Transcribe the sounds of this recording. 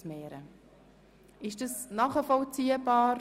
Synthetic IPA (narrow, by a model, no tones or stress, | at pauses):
smɛːɾə | ʔɪʃd̥ɑsnɑːχəfɔlt͡siːəbɑːɾ